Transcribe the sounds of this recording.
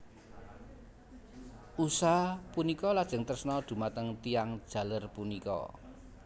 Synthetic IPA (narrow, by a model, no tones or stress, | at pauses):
ʔusapunikɔlad̥ʒ̥ə̤ŋt̪ərsnɔd̪̥ṳmat̪əŋt̪ijaŋd̥ʒ̥ä̤lərpunikɔ̰